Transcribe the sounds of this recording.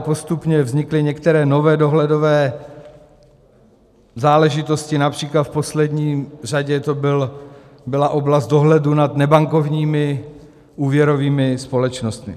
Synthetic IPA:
po̞st̪upɲɛvzɲɪklɪɲɛkt̪ɛɾɛːno̞vɛːdo̞ɦlɛdo̞vɛː | zaːlɛʒɪt̪o̞scɪnapr̝̥iːklat̪fpo̞slɛdɲiːr̝aɟɛt̪o̞bɪl | bɪlaʔo̞blast̪do̞ɦlɛdunat̪nɛbaŋko̞vɲiːmɪ | ʔuːvjɛɾo̞viːmɪspo̞lɛt͡ʃnost̪mɪ̰

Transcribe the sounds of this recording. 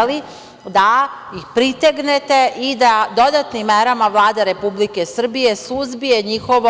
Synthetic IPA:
li | d̪a | jixpɾit̪eɡnet̪e̞ʔid̪ad̪o̞d̪at̪nimːeɾamaʋlˠaːd̪eɾe̞publike̞sr̩bije̞suzbije̞ɲixoʋo

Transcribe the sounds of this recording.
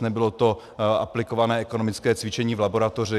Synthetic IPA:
nɛbɪlot̪o̞ | a̰plɪkovanɛːɛko̞no̞mɪt͡skɛːt͡svɪt͡ʃɛɲiːvlabo̞ɾat̪orɪ

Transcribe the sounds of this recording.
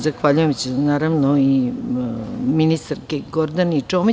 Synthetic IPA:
zaxʋaʎujemt͡ɕenaːɾaʋnoi | minist̪aɾkeɡoɾd̪anit͡ʂoːmi

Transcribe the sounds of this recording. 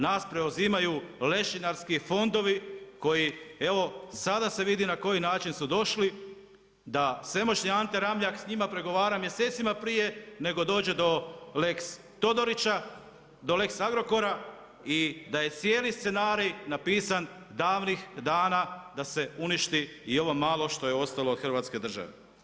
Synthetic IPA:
naːspɾe̞uziːmajule̞ʃinaɾskifo̞nd̪o̞ʋiko̞jie̞ʋo̞sad̪ase̞ʋid̪inako̞jinaːt͡ʃinsud̪o̞ʃli | d̪ase̞mo̞t͡ʃɲiant̪e̞ɾamʎaksɲimapɾe̞ɡo̞ʋaːɾamje̞se̞ːt̪simapɾije̞ne̞ɡo̞d̪oːd͡ʑe̞d̪o̞leks | t̪o̞d̪o̞ɾit͡ɕa | d̪o̞le̞ksaɡɾo̞ko̞ɾa | id̪aje̞t̪sje̞ːlist̪se̞naːɾijnapiːsan | d̪aːʋnixd̪aːnad̪ase̞uniʃt̪i | io̞ʋo̞maːlˠo̞ʃt̪o̞jeo̞st̪aloːd̪xr̩ʋaːt̪ske̞d̪r̩ʒa̰ʋḛ

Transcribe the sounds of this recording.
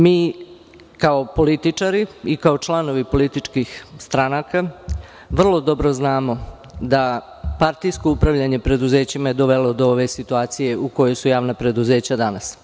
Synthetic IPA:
miː | kao̞po̞lit̪it͡ʂaɾiikao̞t͡ʃlˠano̞ʋipo̞lit̪it͡ʃkixst̪ɾanaka | ʋr̩lˠo̞d̪o̞bɾo̞znaːmo̞ | d̪a | paɾt̪ijsko̞upɾaʋʎaɲe̞pɾe̞d̪uze̞ːt͡ɕimae̞d̪o̞ʋe̞lo̞d̪o̞oʋe̞sit̪uaːt̪sije̞ʔuko̞jo̞jsujaːʋnapɾe̞d̪uze̞ːt͡ɕad̪anas

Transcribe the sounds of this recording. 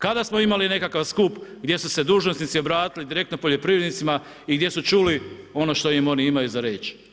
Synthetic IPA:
kad̪asmoimaline̞kakaʋskupɡd̪ʲje̞suse̞d̪uːʒnosnit̪sio̞bɾaːt̪ilid̪iɾe̞kt̪nopo̞ʎo̞pɾiʋɾe̞d̪nit̪sima | iɡd̪je̞sut͡ʃuːlio̞no̞ʃt̪o̞jimo̞niimajuzaɾeːt͡ʃ

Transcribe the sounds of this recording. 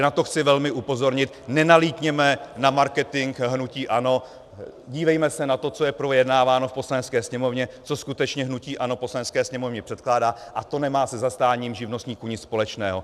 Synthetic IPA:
nat̪oxt͡sɪvɛlmɪʔupo̞zo̞ɾɲɪt̪̚nɛnaliːt̪ɲɛmɛnamaɾkɛt̪ɪŋkɦnuciːʔano̞ | ɟiːvɛjmɛsɛnat̪o̞t͡so̞jɛpɾo̞jɛdnaːvaːno̞fpo̞slanɛt͡skɛːsɲɛmo̞vɲɛt͡soskut̪ɛt͡ʃɲɛɦnuciːʔanoposlanɛt͡skɛːsɲɛmo̞vɲɛpr̥ɛt̪̚klaːdaːʔat̪o̞nɛmaːsɛzast̪aːɲiːmʒɪvno̞st̪ɲiːkuɲɪt͡sspo̞lɛt͡ʃnɛːɦo̞

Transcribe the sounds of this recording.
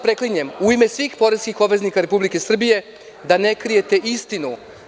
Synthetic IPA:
pɾekliɲemuimesʋiːxpo̞ɾezkixo̞bʋeznikaɾe̞publike̞sr̩bije̞ | d̪ane̞kɾije̞t̪e̞ʔist̪inu

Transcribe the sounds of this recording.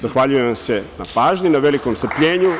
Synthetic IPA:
zaxʋaʎujeʋamse̞na̰paːʒɲinaʋelikoːmst̪ɾpʎeːɲu

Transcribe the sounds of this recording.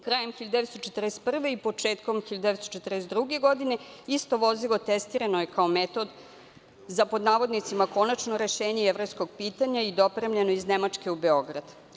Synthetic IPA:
kɾaːjemxiʎad̪eet̪st̪ot͡ʃet̪rest̪pr̩ʋe̞ipot͡ʃeːt̪ko̞mxiʎad̪eʋest̪ot͡ʃet̪reɛst̪d̪ɾuɡe̞ɡo̞d̪ine̞ist̪o̞ʋo̞zilˠo̞t̪est̪iɾanoje̞kao̞met̪o̞d̪ | zapo̞d̪naːʋo̞d̪nit̪simako̞nat͡ʃno̞ɾe̞ʃeːɲeeʋɾo̞jsko̞ɡ̚piːt̪aɲaid̪o̞pɾe̞mʎenoiznemat͡ʃke̞ube̞oɡɾad̪

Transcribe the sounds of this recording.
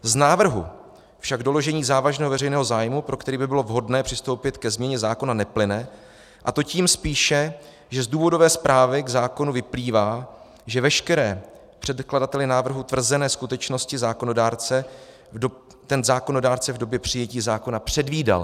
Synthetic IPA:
znaːvr̩ɦṵ | fʃaɡdo̞lo̞ʒɛɲiːzaːvaʒnɛːɦovɛrɛjnɛːɦo̞zaːjmupɾʔo̞kt̪ɛɾiːbɪbɪlo̞vɦo̞dnɛːpr̥ɪst̪o̞wpɪt̪kɛzmɲɛɲɛzaːko̞nanɛplɪnɛ | ʔat̪o̞ciːmspiːʃɛ | ʒɛzduːvo̞do̞vɛːspɾʔaːvɪɡzaːko̞nuvɪpliːvaː | ʒɛvɛʃkɛɾɛː | pr̥ɛt̪kladat̪ɛlɪnaːvr̩ɦut̪vr̩zɛnɛːskut̪ɛt͡ʃno̞scɪzaːkono̞daːɾt͡sɛ | t̪ɛnzaːko̞no̞daːɾt͡sɛvdo̞bjɛpr̝̥ɪjɛciːzaːko̞napr̝̥ɛdviːda̰l

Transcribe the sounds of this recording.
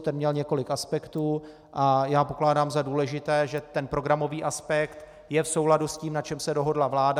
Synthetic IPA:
t̪ɛnmɲɛlɲɛko̞lɪkaspɛkt̪uː | ʔajaːpo̞klaːdaːmzaduːlɛʒɪt̪ɛːʒɛt̪ɛnpɾo̞ɡɾamo̞viːʔaspɛkt̪ | jɛfso̞wladusciːmnat͡ʃɛmsɛdo̞ɦo̞dlavlaːda

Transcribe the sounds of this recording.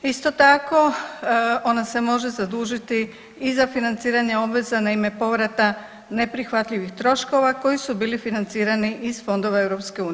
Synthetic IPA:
ist̪o̞t̪ako̞ | o̞nase̞mo̞ʒe̞zad̪uːʒit̪i | izafinant̪siːɾaɲeo̞bʋe̞zanaime̞po̞ʋɾat̪a | ne̞pɾixʋat̪ʎiʋixt̪ɾo̞ʃko̞ʋako̞jisubiːlifinant̪siːɾaniʔizfo̞nd̪o̞ʋae̞ʋɾo̞pske̞uːn

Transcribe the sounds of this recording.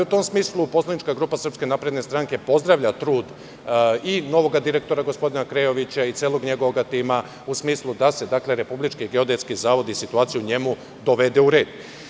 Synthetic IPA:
ut̪o̞msmiːslˠupo̞slanit͡ʃkaɡɾuːpasr̩pske̞naːpɾe̞d̪ne̞st̪ɾaŋke̞po̞zd̪ɾaʋʎat̪ɾuːd̪ | ino̞ʋo̞ɡad̪iɾe̞k̚t̪o̞ɾaɡo̞spo̞d̪inakɾejo̞ʋit͡ɕait̪seːlˠoɡɲe̞ɡoʋoɡat̪iːma | usmiːslˠud̪ase̞d̪akle̞ɾe̞publit͡ʃkiɡeo̞d̪et̪skizaːʋo̞d̪isit̪uaːt̪sijuɲe̞mu | d̪o̞ʋe̞d̪e̞uɾe̞ːd̪̥

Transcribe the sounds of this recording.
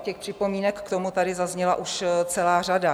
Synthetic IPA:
cɛxpr̝̥ɪpo̞miːnɛkːt̪omut̪adɪzazɲɛlaʔuʃt͡sɛlaːrada

